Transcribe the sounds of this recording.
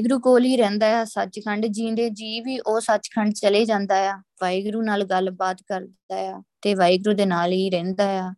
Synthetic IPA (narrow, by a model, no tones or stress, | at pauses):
ɡɾuːkoːlɦiːɾɛ̃ːnd̪aːjaːsət͡ʃkʰəɳɖd͡ʒĩːnd̪eːd͡ʒiːʋiːʔoːsət͡ʃkʰəɳɖt͡ʃəleːd͡ʒãːnd̪aːjaːʋaːiɡɾuːnaːlɡəlbaːt̪kəɾd̪ɪnd̪aːjaːt̪eːʋaːiɡɾuːd̪eːnaːlɦiːɾɛ̃ːnd̪aːjaː